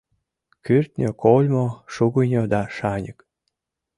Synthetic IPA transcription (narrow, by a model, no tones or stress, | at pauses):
kyrt̪ʲnʲøkʰolʲmoʃuɣənʲod̪ɑʃɑnʲək